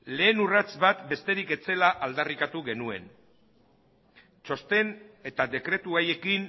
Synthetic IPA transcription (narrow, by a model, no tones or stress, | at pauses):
le̞ːnurat͡sβat̪be̞st̪e̞ɾike̞t͡se̞laʔald̪arikat̪uɣe̞nue̞̰n | t͡ʃo̞st̪e̞ne̞t̪ade̞kɾe̞t̪uaje̞kin